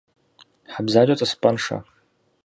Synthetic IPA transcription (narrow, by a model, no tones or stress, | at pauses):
ħabzaːd͡ʒʷat͡sʼɐspʼɐnʂa̰